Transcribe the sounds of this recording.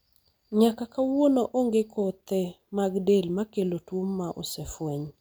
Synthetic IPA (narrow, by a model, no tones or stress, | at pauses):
ɲakakawonoʔoŋɡekʰot̪e | maɡdelmakelotwomːaʔo̰sefweɲ